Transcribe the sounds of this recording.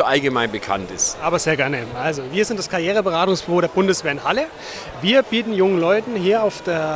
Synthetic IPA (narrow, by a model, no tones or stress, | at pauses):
oʔalɡəmaɪnbəkʰa̰ntɪstʔaːbɐzeːɐɡɛɐneːmʔalzoviːɐzɪntd̥askʰaʁjeːʁ̞əbəʁaːtʊŋsb̥ʏvoːɾeːɐb̥ʊndəsv̥eːɐɪnhalə | viːɐbiːtn̩jʊŋənlɔʏtn̩hiːɐaʊfd̥eːɐ